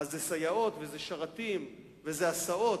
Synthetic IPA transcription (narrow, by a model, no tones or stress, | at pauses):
azːesajao̞t̪vezeʃaʁat̪im | vezeasao̞